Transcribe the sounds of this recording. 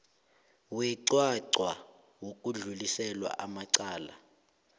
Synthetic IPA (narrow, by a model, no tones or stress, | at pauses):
wɛǀwaǀwa | wok̬ʼuɮulisɛlwa̰ʔamaǀaːla̰